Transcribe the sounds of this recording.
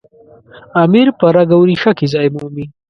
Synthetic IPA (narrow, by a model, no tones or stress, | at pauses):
amiɾpɐɾaɡawɾiʃakizajmuːmi